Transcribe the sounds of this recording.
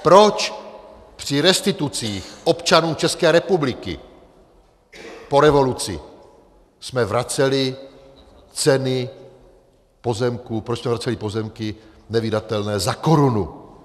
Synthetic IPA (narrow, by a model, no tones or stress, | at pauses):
pɾo̞t͡ʃ | pr̝̥ɪɾɛst̪ɪt̪ut͡siːxʔo̞pt͡ʃanuːt͡ʃɛskɛːɾɛpublɪkɪ̰ | po̞ɾɛvo̞lut͡sɪ̰ | smɛvɾat͡sɛlɪ | t͡sɛnɪ | po̞zɛmkupɾot͡ʃsmɛvɾat͡sɛlipo̞zɛmkɪnɛvidat̪ɛlnɛːzakoɾunu